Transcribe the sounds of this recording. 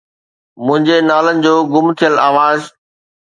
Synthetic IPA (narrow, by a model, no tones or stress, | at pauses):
mʊ̃ɦɪ̃ɲd͡ʑenaːlənɪ̆d͡ʑoːɡʊmt̪ʰijəlaːʋaːz